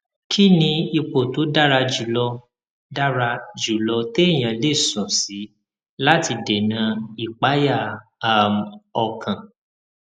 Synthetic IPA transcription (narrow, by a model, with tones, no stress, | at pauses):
kʰi˦nĩ˧i˧k͡po˨to˨˦da˦ɾa˧d͡ʒu˨lɔ˧ | da˦ɾa˧d͡ʒu˨lɔ˧te˦e˦˨j̃ã˨le˦˨sɔ̃˨si˨˦ | la˦ti˧de˨nã˧i˨k͡pa˨˦ja˦˨a˦˨m˨ɔ˧kʰã˨